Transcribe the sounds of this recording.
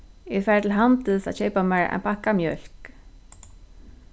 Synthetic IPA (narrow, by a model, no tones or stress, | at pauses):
ɛfɛːɾt̪ʰɪlɦant̪ɪsa̰ðɕeːjpamɛɹɛ̰npʰahkamjœl̥k